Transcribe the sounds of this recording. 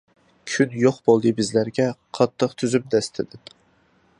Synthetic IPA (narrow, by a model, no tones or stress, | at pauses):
kʲʰynjoqbolˠd̪ɨbɪzlæɾɡʲɛqʰɑt̪ʰːəqt̪ʰyzymd̪ɛst̪ʰɪd̪ɪ